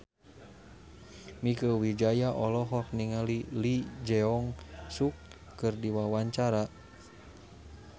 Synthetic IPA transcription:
mikəwid͡ʒajaʔɔlɔɦɔk̚niŋalilid͡ʒɛɔŋsukː | ɨrdiwawaɲt͡ʃaɾa

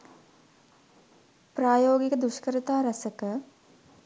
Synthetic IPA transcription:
pɾaːjoːɡikəd̪uʃkəɾɐt̪aːɾɐsəkə

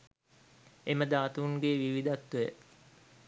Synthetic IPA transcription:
eməd̪aːt̪uːŋɡeːʋiʋid̪at̪ːujə̰

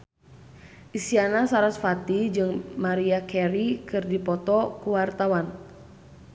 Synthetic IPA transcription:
ʔisianasaɾasfat̪id͡ʒɨŋmaɾiakʰɛɾikɨrdipɔt̪ɔkuwart̪awan

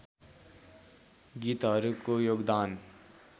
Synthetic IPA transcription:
ɡiːt̪ɦʌɾukojoːɡd̪aːn

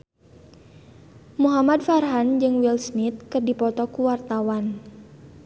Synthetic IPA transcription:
muɦamadfarɦand͡ʒɨŋwilsnit̪̚kərdipɔt̪ɔkuwart̪awan

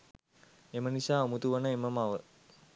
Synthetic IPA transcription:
emənisaːumut̪uʋənəeməmaʋə

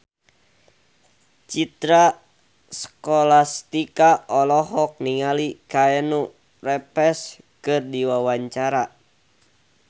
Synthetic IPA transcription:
t͡ʃit̪ɾa | sə̥kɔlast̪ikaʔɔlɔɦɔk̚niŋalikaɛnu | rɛpɛs | kɨrdiwawaɲt͡ʃaɾa

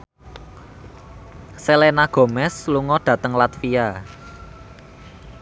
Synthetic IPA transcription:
selenaɡ̥o̤mɛsluŋɔɖ̥a̤t̪əŋlat̪fia

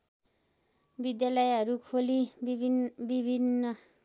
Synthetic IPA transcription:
bid̪jalʌjɦʌɾukʰoli | bibʱinːʌ

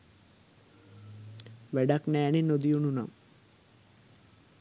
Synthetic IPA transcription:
ʋeɖɐkneːninod̪ijununɐ̰m

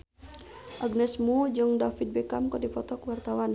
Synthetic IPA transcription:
ʔaɡnɛsmud͡ʒɨŋdafid̪̚bɛkamkɔdipɔt̪ɔkwart̪awan

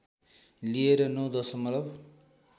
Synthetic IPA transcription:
lieɾʌnʌwd̪ʌsʌmʌt̪ʌb

